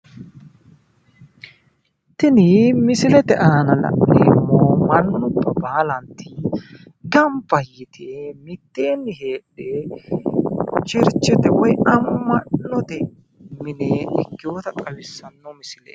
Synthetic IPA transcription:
t̪ɪnɪmɪsɪlɛt̪ɛʔaːnɐlɐ̰ʔɪmːoːmɐnːʊnʊbːɐbaːlɐnt̪ʰi | ɡɐmpːɐjɪt̪ʰemɪt̪ːeːnːɪɦeːᶑe | t͡ʃɪɾt͡ʃːɛt̪ɛwɔjɐmːɐnːɔt̪ɛ | mɪneɪkːɪjo̞ːt̪ɐt̪ʼɐwɪsːɐnːɔmɪsɪlḛ

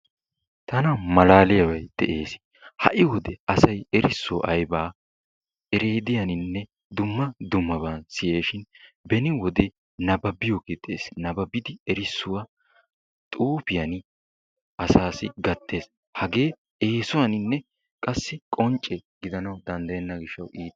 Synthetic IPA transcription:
t̪ɐnɐmɐlaːlɪjɐwɐjd̪̥ɛʔeːs | hɐ̰ʔɪwɔd̪ɛɐsɐjɛɾɪsːoʔɐjbaː | ɛɾeːd̪ɪjɐnɪnːɛ | d̪ʊmːɐd̪ʊmːɐbɐnsɪjeːʃɪnbɛnɪwɔd̪ɛ | nɐbɐbɪjoked̪ḛːsnɐbɐbɪd̪ɪɛɾɪsːʊwɐ | t̪ʼuːpɪjɐnɪ | ʔɐsaːsɪɡɐt̪ʰːe̞ːs | hɐɡe̞ː | eːsʊwɐnɪnːɛ | kʼɐsːɪkʼɔnt͡ʃʼːɛɡɪd̪ɐnɐwd̪ɐnd̪ɐjɛnːɐɡɪʃːɐwʔiːt̪

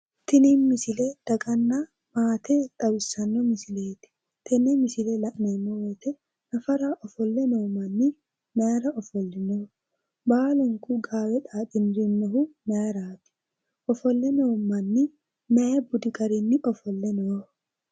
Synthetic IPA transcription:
t̪ɪninmɪsɪled̪̥ɐɡɐnːɐ | maːt̪ɛt̪ʼɐwɪsɐnːɔmɪsɪleːt̪ɪ̥ | t̪ɛnɛmɪsɪlelɐʔnemːɔwɔjt̪ɛ | nɐfɐɾaʔɔfɔlːɛnoːmɐnːɪ | nɐjɾɐɔfɔlːɪnoː | baːlʊŋkʊɡaːwɛᶑaːkʼɪnɾɪnːɔɦʊnɐjɐɾaːt̪ɪ̥ | ʔɔfɔlːɛnoːmɐnːɪ | nɐjɛbʊd̪ɪɡɐɾɪnːɪʔɔfɔlːɛnoɾ

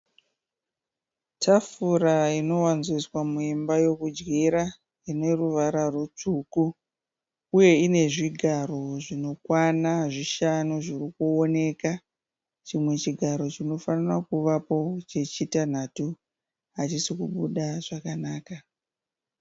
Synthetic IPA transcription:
tʰafuɾaino̞wanziswamuimbajo̞kud͡ʒɡiɾa | ine̞ruʋaɾarut͡ʂuku | uje̞ine̞ʐiɡʱaro̞ʐino̞kwanaʐiʃanuʐirikuone̞ka | t͡ʃimwe̞t͡ʃiɡʱaɾo̞t͡ʃino̞fanirakuʋapo̞t͡ʃe̞t͡ʃitan̤atu | ɦat͡ʃisikuɓuɗaʐ̥akanaːka

